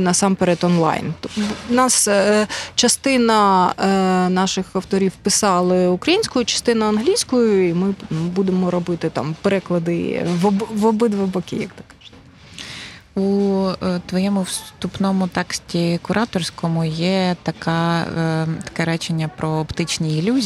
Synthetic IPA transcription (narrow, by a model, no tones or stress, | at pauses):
nɐsɑmpeɾɛt̪ɔnlˠɑ̰jnnɑs | t͡ʃɐst̪ɪnɐ | nɑʃɪxɐwt̪ɔɾʲiwpɪsɑlˠɪʊkɾɐjinʲsʲkʊjʊt͡ʃɐ̥st̪ɪnɐɐnɦlʲijsʲkʊjʊimɪbud̪emɔɾɔbɪt̪ɪt̪ɑ̰mpeɾɛklˠɐd̪ɪʋɔbʋɔbɪd̪ʋɐbɔkʲɪ̰jɐk̚t̪ɪ̥kːɑʒ̥ɪ̥t̪ | u | t̪ʋɔjɛmʊwst̪upnɔmʊt̪ɛksʲtʲikʊɾʔɑt̪ɔrsʲkɔmʊjɛt̪ɐkɑ | t̪ɐ̥kɛɾɛt͡ʃenʲːɐpɾɔːpt̪ɪt͡ʃnʲiːlʲuzʲ